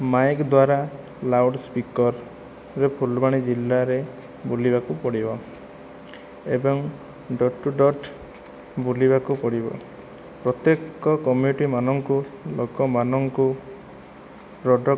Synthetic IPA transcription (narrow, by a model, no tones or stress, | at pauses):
majkd̪waɾa | lawɖspikɔɾː | epʰulbaɽ̃id͡ʒilːaɾe | bulibakupɔɽibɔ | ebɔŋ | ɖɔʈːuɖɔʈ | buliβakupɔɽibɔ̰ | pɾɔt̪jekɔkɔmjuʈimanɔŋkulokɔmanɔŋku | ɾɔɖɔ